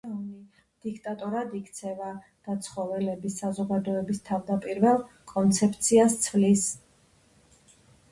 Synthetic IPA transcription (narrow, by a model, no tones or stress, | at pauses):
aɔni | d̪̥ikʰt̪ʼat̪ʼɔɾad̪ikʰt̪sʰɛva | d̪̥at̪sʰχɔvɛlɛbisːazɔɡad̪ɔɛbist̪ʰavd̪apʼiɾvɛlˠ | kʼɔnt̪sʰɛpʰt̪sʰiast̪sʰvlis